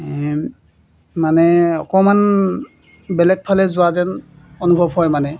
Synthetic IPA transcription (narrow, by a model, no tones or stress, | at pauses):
manɛɔ̰kɔman | bɛlɛk̚pʰalɛzʊazɛn | onubʱɔbɦɔjmanɛ